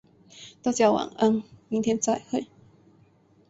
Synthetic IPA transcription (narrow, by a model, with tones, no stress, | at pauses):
t̪a˥˩t͡ɕjɑ˥˧˩wa̰˨˩ŋə˧˦nmi˧˦nt̪ʰjɛ˧˥nt͡sa˥˧˩ɪxwe˥˩ɪ